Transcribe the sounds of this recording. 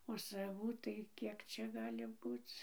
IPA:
oː sɐˈʋuː tɐɪ ˈkʲiɛk ˈt͡ʃʲɛ ˈɡɑːlʲɪ ˈbuːt͡s

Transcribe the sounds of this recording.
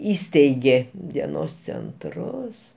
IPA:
ˈiːsʲtʲɛɪɡʲeː dʲiɛˈnoːs t͡sʲɛnˈtrʊs

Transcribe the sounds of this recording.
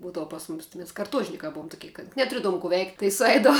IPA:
ˈbuːdɐʋʊ pɐs ˈmʊmʲɪs tʲɪ mʲɛs kɐrˈtuɔʒʲnʲɪkɑː ˈbʊʊm tʊˈkʲiɛ kɐt nʲɛtʊˈrʲiɛdɐʋʊm kʊ ʋʲɛɪktʲ tɐɪ sʊˈɛɪdɐʋʊ

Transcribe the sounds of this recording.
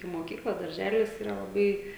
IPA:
ɪ moːˈkʲiːklˠɐ dɐrʲˈʒʲæːlʲɪs ˈiːrɐ lˠɐˈbɐɪ

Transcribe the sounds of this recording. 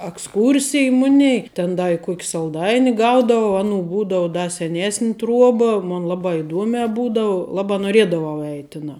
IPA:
ɐksˈkuːrʲsʲɪj ˈmʊnʲɛɪ tʲɛn ˈdɐ ɪ ˈkʊk sɐlˠˈdɐɪnʲɪ ˈɡɐʊdɐʋɐʊ ˈɑːˌnuː ˈbuːdɐʊ ˈdɐ sʲɛˈnʲeːsʲnʲ ˈtruɔbɐ ˈmʊn ˈlˠɑːbɑː ɪˈduɔmʲæː ˈbuːdɐʋʊ ˈlˠɑːbɑː noːˈrʲiɛdɐʋɐʊ ˈɛɪtʲ ˈtʲɪnɑː

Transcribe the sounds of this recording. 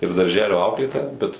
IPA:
ɪr dɐrʲˈʒʲæːlʲoː ˈɐʊklʲeːtoːjɛ bʲɛt

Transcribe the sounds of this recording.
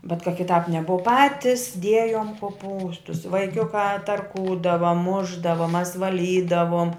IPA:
bʲɛt kɐ kʲɪˈtɑːp nʲɛˈboːw ˈpɑːtʲɪs ˈdʲiɛjoːm koːˈpuːstʊs ʋɐɪˈkʲʊkɑː tɐrˈkuːdɐʋɐ ˈmʊʒdɐʋɐ mɐs ʋɐˈlʲiːdɐʋoːm

